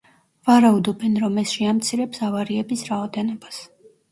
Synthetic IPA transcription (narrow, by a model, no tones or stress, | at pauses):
vaɾaud̪ɔbɛnɾɔmɛsʃɛamt̪sʰiɾɛpsavaɾiɛbisɾaɔd̪ɛnɔbas